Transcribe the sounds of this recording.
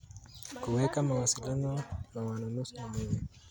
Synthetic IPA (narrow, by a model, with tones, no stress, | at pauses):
ku˨wɛ˦ka˦ma˨wa˨si˨la˦nɔ˦na˨wa˨na˨nu˦su˦wa˨mi˦ne˨